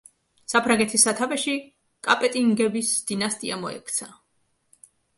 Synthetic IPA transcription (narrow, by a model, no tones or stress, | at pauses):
sapʰɾaŋɡɛt̪ʰisːat̪ʰavɛʃi | kʼapʼɛt̪ʼiŋɡɛbisd̪̥inast̪ʼiamɔɛ̰kʰt̪sʰa